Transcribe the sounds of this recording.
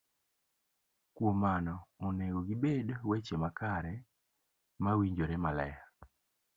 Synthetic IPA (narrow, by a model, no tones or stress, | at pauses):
kwomanɔːneɡoɡibedowet͡ʃemakaɾɛ | mawiɲd͡ʒoɾɛmalɛ̰ja